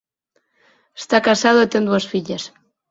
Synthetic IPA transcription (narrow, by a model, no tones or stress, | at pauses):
est̪akasaðoit̪end̪uasfiʎas